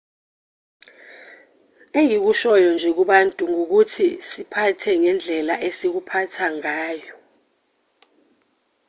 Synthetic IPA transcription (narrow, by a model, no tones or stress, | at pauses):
eŋik̬uʃɔjɔnd͡ʒʱɛk̬uɓantʼuŋok̬utʰisipʰatʰɛŋɛnd͡ɮʱɛlaʔesik̬upʰatʰaŋaːjɔ